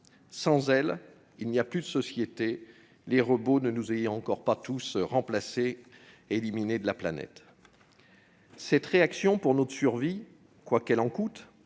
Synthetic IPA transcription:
sɑ̃zɛl | ilnijaplyd̪əsɔsjet̪e | leʁəbonənuzej̃ɑ̃kɔʁpat̪usʁɑ̃plase | elimined̪əlaplanɛ̰t̪ | sɛt̪ʁeaksjɔ̃puʁnɔt̪syʁvi | kwakɛlɑ̃kut̪

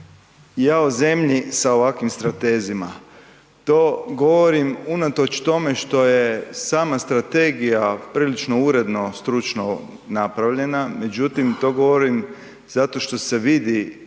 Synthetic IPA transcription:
jaːoze̞mʎisao̞ʋakʋimst̪ɾat̪eːzima̰ | t̪o̞ːɡo̞ʋoɾimunat̪o̞t͡ʃt̪o̞me̞ʃt̪o̞je̞saːmast̪ɾat̪eɡijapɾiːlit͡ʃno̞uɾe̞d̪no̞st̪ɾut͡ʃno | napɾaʋʎe̞name̞d͡ʒut̪imt̪o̞ːɡo̞ʋo̞ɾim | z̥at̪o̞ʃt̪o̞se̞ʋid̪i

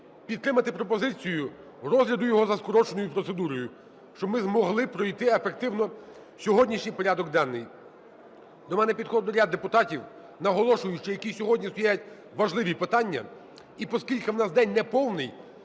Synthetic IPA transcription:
pʲid̪t̪ːɾɪmɐt̪ɪpɾɔpɔzɪt͡sʲijʊ | ɾɔzɦɾʲɐd̪ʊjɔɦɔzɐskɔɾɔt͡ʃenɔjʊpɾɔt̪sed̪uɾɔjʊ | ʃt͡ʃɔbmɪzmɔɦlˠɪpɾɔjt̪ɪefek̚t̪ɪwnɔ | sʲɔɦɔdʲnʲiʃnʲijpɔɾʲad̪ɔɡd̪ɑnːɪj | d̪ɔmɛnɛpʲid̪xɔd̪nɔɾʲad̪ːepʊt̪ɑtʲiw | nɐɦɔlˠɔʃʊjʊt͡ʃɔjɐkʲisʲɔɦɔdʲnʲist̪ɔjajɐtʲ | ʋɐʒlˠɪʋʲipɪt̪ɑnʲːɐ̰ | ipɔskʲilʲkɪwnɑsd̪ɛnʲnɛpɔwnɪj

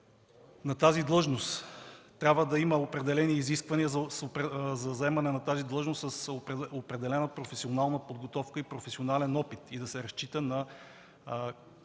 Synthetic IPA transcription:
nɐt̪azid̪lˠɤʒnost̪t̪ːɾʲabvəd̪ɐiməopɾɛd̪ɛlɛniːziskvɐniəzɐspzɐzɐɛmɐnɛnɐt̪azid̪lˠɤʒnost̪səsoopɾɛd̪ɛlɛnəpɾofɛsionalˠnəpod̪ɡot̪ɔfkəipɾofɛsionalɛnɔpit̪id̪ɐsɛɾɐst͡ʃit̪ənɐ

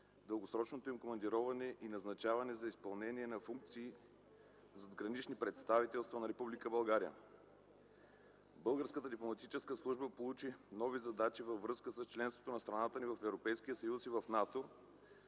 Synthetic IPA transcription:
d̪əlˠɡosɾɔt͡ʃnot̪oimkomɐnd̪iɾɔvɐnɛʔinɐznɐt͡ʃavɐnɛzɐispɐlˠnɛniɛnɐfuŋk̚t̪siː | zɐd̪ɡɾɐnit͡ʃnipɾɛt̪st̪avit̪ɛlˠst̪vɐnɐɾɛpublikəbɐlˠɡaɾiə̰ | bɤlˠɡəɾskət̪əd̪iplˠomɐt̪it͡ʃɛskəslˠuʒbəpolˠut͡ʃinɔvizɐd̪at͡ʃivəvvːɾɤskəsəst͡ʃlɛnst̪vo̥t̪onɐst̪ɾɐnat̪ənivɐfɛvɾopɛjskiəsɐjusivɐfnat̪o

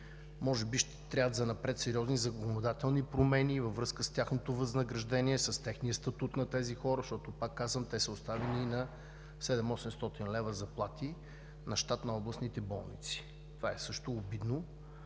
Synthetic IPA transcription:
mɔʒɛbiʃt̪ɛt̪ɾʲavət̪zɐnɐpɾɛt̪sɛɾiɔznizɐkonod̪at̪ɛlˠnipɾomɛnivəvɾɤskəst̪ʲjaxnot̪ovɐznɐɡɾɐʒd̪ɛniɛsəst̪ɛxnijəst̪ɐt̪ut̪nɐt̪ɛzixɔɾəʃt̪ɔt̪opakːazvəmt̪ɛsəost̪avɛninɐ | sɛd̪ɛmɔsɛmst̪ɔt̪inlɛvəzɐplˠat̪i | nɐʃt̪at̪nɐɔblˠɐsnit̪ɛbɔlˠnit̪si̥ | t̪ovaɛsɤʃt̪oːbid̪no

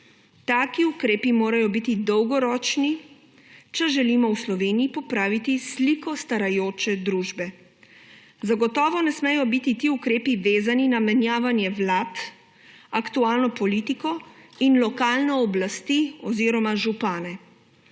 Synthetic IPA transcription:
t̪aːkiukɾeːpimoːɾajɔbit̪id̪ɔwɡɔɾɔːt͡ʃni | t͡ʃɛʒɛliːmɔwslɔʋeːniipɔpɾaːʋit̪islikɔst̪aɾajoːt͡ʃɛd̪ɾuːʒbɛ | zaɡɔt̪ɔːʋɔnɛsmɛjɔbit̪it̪iukɾeːpiʋeːzaninamɛnjaːʋanjɛʋlaːt̪ | akt̪uaːlnɔpɔlit̪ikɔinlɔkaːlnɔːblast̪iɔziːɾɔmaʒupaːnɛ

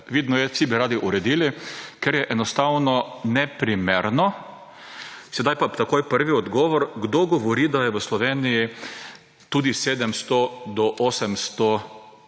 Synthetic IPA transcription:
ʋiːd̪nɔjɛsibiɾaːd̪iʔuɾɛd̪iːlikɛɾjɛʔɛnɔst̪awnɔnɛpɾimeːɾnɔ | sɛd̪ajpat̪akoːjpəɾʋiɔd̪ɡɔːʋɔɾɡd̪oɡɔʋɔɾiːd̪ajɛʋəslɔʋeːniji | t̪uːd̪iseːd̪ɛmst̪ɔd̪ɔʔoːsɛmst̪ɔ

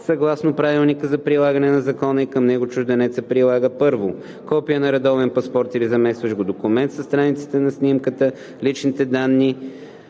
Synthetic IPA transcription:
sɐɡlˠasnopɾavilˠnikəzɐpɾilˠaɡənɛnɐzɐkɔnəikəmnɛɡʊt͡ʃʊʒd̪ɛnɛt̪səpɾilˠaɡəpɤɾvo | kɔpijənɐɾɛd̪ɔvɛnpɐspɔɾt̪iɾizɐmɛsvɐʃɡod̪okumɛnt̪səst̪ɾanit̪si̥t̪ɛnɐsnimkət̪ə | lit͡ʃnit̪ɛd̪anːi

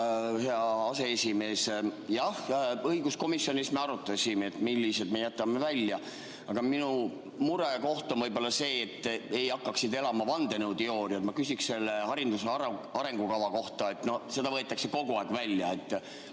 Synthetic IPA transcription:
heɑɑse̞esʲime̞ːsjɑhɤiɡusko̞misːjo̞nismeɑɾut̪ːˑɑsimeet̪milʲːise̞d̪̚mejæt̪ːˑɑme̞vælʲjɑ | ɑɡ̥ɑminu | muɾeko̞ht̪onvɤjbo̞lːɑse̞ːt̪ˑːe̞jɑkːɑksid̪e̞lɑmɑvɑnd̪e̞newt̪eo̞ːɾiɑt̪mɑkysiksse̞lːeɑɾind̪useɑɾe̞ŋɡ̥ukɑvɑko̞ht̪ɑe̞t̪no̞hse̞d̪ɑvɤet̪ːˑɑkse̞ko̞ɡuɑˑekvælʲjɑe̞t̪ːˑ

